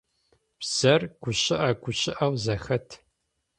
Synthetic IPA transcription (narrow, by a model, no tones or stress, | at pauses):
psɐrɡ̥ʷʊɕɪʔɐɡʷʊɕɪʔɐwzɐxɐtʰ